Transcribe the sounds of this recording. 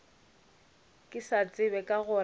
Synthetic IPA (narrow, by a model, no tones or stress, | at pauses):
kʼɪsat͡sʼɪbɛkʼaɣʊ